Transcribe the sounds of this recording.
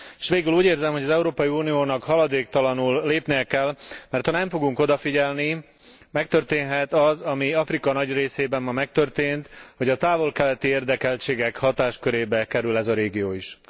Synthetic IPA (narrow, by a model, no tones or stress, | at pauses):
eʃʋeːɡyluːɟeːrzɛmho̞ɟɒzɛuɾoːpɒjiunijoːnɒkhɒlɒd̪eːkt̪ɒlɒnulːeːpnijɛkɛlmɛrt̪hɒnɛɱfo̞ɡuŋko̞d̪ɒfiɟɛlni | mɛk̚t̪ørt̪eːnɦɛt̪ɒzɒmiɒfrikɒnɒɟreːseːbɛmmɒmːɛk̚t̪ø̞rt̪eːnt̪ho̞ɟɒt̪aːvo̞lkɛlɛt̪ieːrd̪ɛkɛlt͡ʃeːɡɛkhɒt̪aːʃkøɾeːbɛkɛɾylɛzɒɾeːɡijoːiʃ